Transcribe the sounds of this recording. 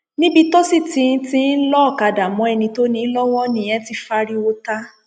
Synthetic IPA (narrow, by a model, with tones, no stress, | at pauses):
nĩ˦bi˧to˦si˦˨tĩ˧˦n̩˦tĩ˦n̩˦lɔ˦˨ka˧da˨mɔ̃˨˦ɛ˧nĩ˧to˦nĩ˨˦lɔ˦w̃ɔ̃˦nĩ˧j̃ɛ̃˦ti˧fa˧ɾi˦wo˧ta˦